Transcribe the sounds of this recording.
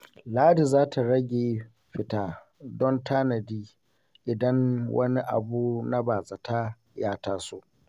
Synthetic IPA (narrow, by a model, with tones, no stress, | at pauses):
laː˦di˨zaː˦tʰa˨ɽɐ˦ɡʲeː˨ | ɸɪ˨taː˦ | dɔ˦ntʰa˦nɐ˨diː˦ | ʔɪ˨dɐ˦nwʔɐ̰˦ni˦ʔa̰˨buː˦na˦baː˨za˨ta˦ | jaː˦taː˦soː˦